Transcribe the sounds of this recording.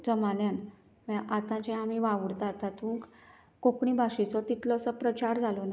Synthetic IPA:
d͡zəmanjan | mɛʔat̪ãt͡ɕãamiʋaʋəɽt̪at̪at̪ũk | kokɳibʱaɕit͡sɔt̪it̪lɔəsəpɾət͡ɕaɾd͡zʱalɔna

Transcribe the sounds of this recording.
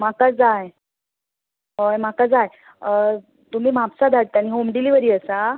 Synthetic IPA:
makad͡zaj | ɦəjmakad͡zaj | t̪um̤iːmapsad̪ʱaɽt̪aniɦomɖiliʋəɾiːəsa

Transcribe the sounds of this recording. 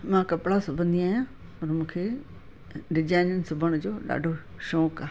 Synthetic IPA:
mãːkɐpɪɽasʊbʱə̃nd̪iaːjãː | pɐɾmũːkʰe | ɖɪd͡ʑaːɪnənsʊbʱəɽ̃ʊd͡ʑoːɗa̰ːɖʱoʃɔːkaː

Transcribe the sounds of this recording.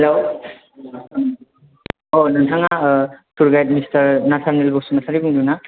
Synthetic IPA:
helo | onatʰaŋatuɾɡajtmistʌɾnasʰanelbɔsunasʰaɾibuŋduna

